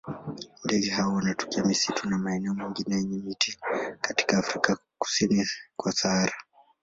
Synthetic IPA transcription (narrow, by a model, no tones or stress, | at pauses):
ndɛɡɛɦaɔwanatɔ̥kiamisitunamaɛnɛɔmiŋɡinɛjɛɲɛmitikati̥kaːfɾikaku̥sinikwasaaɾa